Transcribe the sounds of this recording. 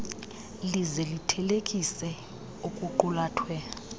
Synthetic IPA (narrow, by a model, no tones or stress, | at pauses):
lizɛlitʰɛlekʼisɛ | ukʼuǃulaːtʰwɛ